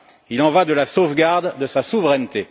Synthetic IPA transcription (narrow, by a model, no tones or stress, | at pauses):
ilɑ̃vad̪əlasovɡaʁd̪ːəsasuvʁɛnt̪e